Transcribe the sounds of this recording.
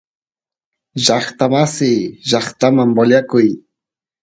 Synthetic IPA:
ʒɑχt̪amasɪjʒɑχt̪amambaʎakʊj

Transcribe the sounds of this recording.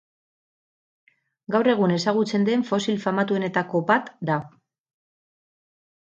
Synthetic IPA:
ɡawre̞ɣ̞une̞saɣ̞ut͡se̞nd̪e̞ɱfo̞silfamat̪ue̞ne̞t̪ako̞bat̪d̪a

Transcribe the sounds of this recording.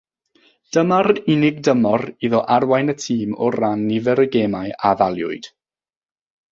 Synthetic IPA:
d̥əmaɾɪnɪɡdəmɔriðɔʔarwajnətʰiːmɔranːivɛɾəɡemajavalˠjʊ̰ɨd̥

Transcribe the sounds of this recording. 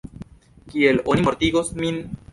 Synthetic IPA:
kielo̞nimo̞ɾt̪iɡosmin

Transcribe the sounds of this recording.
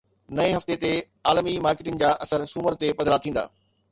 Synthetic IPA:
nɐeɦɐft̪et̪e | aːlmimaːɾkeːʈɪnɪ̆d͡ʑaːʔɐsəɾsuːməɾt̪epɐd̪ɾat̪ʰĩːnd̪a̰ː

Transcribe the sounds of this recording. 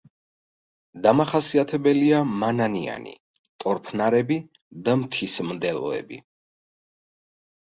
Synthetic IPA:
d̪amaχasiat̪ʰɛbɛliamanania̰nḭ | t̪ʼɔɾpʰnaɾɛbi | d̪amt̪ʰismd̪ɛlˠɔ̰ɛ̰bḭ

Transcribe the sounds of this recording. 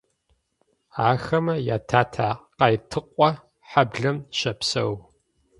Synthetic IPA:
aːxɐmɐjaːtʰaːtʰaːqɑjtʰɨqʷʼɔ | ħabɮɐmɕɐpsɐw

